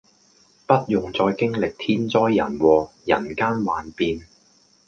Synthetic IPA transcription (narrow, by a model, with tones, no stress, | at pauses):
pɐ˥t̚jʊ˨˩ŋt͡sɔː˧jkɪ˥ŋlɪ˨k̚t̪ʰiː˥nt͡sɔː˥jːɐ̰˨˩nwɔː˨˧jɐ̰˨˩nkaː˥nwaː˨˩npiː˧n